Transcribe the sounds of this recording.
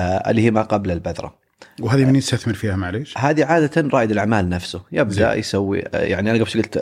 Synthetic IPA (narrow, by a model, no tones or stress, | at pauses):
ʔlːihiːmaqɑblalbad̪ɾˤɑ̰ | wɦaːðimɪnjəst̪aθməɾfiːhamaʕleːʃɦaːðiʕaːd̪aɾˤɑːjɪd̪ɪlʔaʕmaːlnafsʊjɪbd̪a̰jsawːḭjaʕniʔanaɡabʃɡʊlt̪